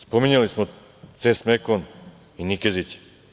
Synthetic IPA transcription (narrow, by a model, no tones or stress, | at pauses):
spomiɲalismo | t̪sesmekon | inikezit͡ɕ